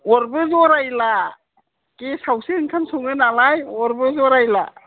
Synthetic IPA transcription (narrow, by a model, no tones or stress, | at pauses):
ɔɾbɯzɔɾajla | kesawsihɯŋkʰansɔŋɯnalajɔɾbɯzɔɾajla̰